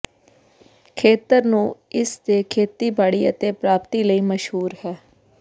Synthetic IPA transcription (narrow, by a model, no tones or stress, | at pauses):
kʰeːt̪əɾnũːɪsd̪eːkʰeːt̪iːbaːɽiːət̪eːpɾaːpt̪iːləiːməʃhuːɾhɛː